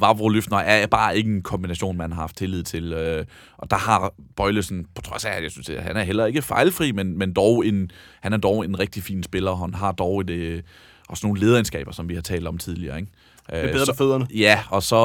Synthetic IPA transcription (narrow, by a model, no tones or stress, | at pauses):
ʋɑ̈b̥ʁoløfd̥nɐʔæɐb̥ɑ̈ːe̝ɡ̥əenkʰɒ̽mb̥inæɕo̝̰ːnmænhɑ̈hɑ̈fd̥t͡sʰe̝lið̰ˠt͡sʰe̝lø | ʔɒ̽d̥ɑ̈hɑ̈b̥ɒ̽ɪləsn̩pʰɒ̽t͡sʰʁɒ̽sæjäɪsynsd̥ehænæɐɦel̰ɐe̝ɡ̥əfɑ̈ɪlfʁḭːmenmend̥ɒʊe̝n | hænæɐd̥ɒʊe̝nʁɛɡ̥̚d̥ifḭːnsb̥e̝lɐɦænɦɑ̈d̥ɒʊed̥ | ʔɒ̽sno̝ːn̩le̝ːð̞ˠɐensɡ̥ɛ̰ːb̥ɐsɒ̽mʋihɑ̈t͡sʰɛ̰ːld̥ɒ̽mt͡sʰiðˠliɐ̰ːeɡ̥ | ʔø̥eføð̰ˠɐnəjæɒ̽sɒ̽